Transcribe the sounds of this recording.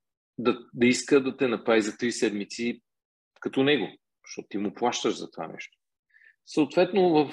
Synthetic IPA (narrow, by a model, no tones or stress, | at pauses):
d̪ɐd̪ɐiskəd̪ɐt̪ɛnɐpɾaizɐt̪ɾisɛd̪mit̪si | kɐt̪ɔnɛɡo | ʃt̪ɔt̪t̪ːimʊplˠaʃt̪əʒzɐt̪ova̰nɛ̰ʃt̪o̥ | səʊt̪vɛt̪novəf